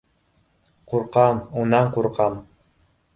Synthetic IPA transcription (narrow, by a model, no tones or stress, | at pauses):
quɾqɑmunɑɴquɾqɑm